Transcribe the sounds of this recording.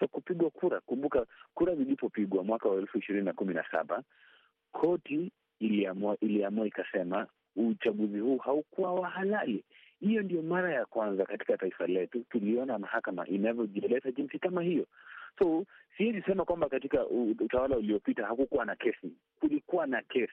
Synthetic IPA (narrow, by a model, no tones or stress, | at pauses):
takupiɠwakʰuɾakumbukakuɾazilipɔpiɠwamwakawaɛlfuiʃiɾininakumina̰sa̰ɓa̰ | kʰɔtiː | liamuaʔiliamuaikasɛma | ut͡ʃaɠuzihuːhaukuwawahalali | hijɔndiɔmaɾajakwanzakati̥kataifalɛtutuliɔnamahakama̰ʔinavjɔʄiɛlɛzaʄinsikamahijɔsɔusiɛzisɛmakwambakatikauutawalauliɔpitahakukuwanakɛsi | kulikuwanakɛsi̥